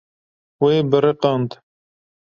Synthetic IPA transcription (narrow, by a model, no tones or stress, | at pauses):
weːbɨɾɨqɑnd̪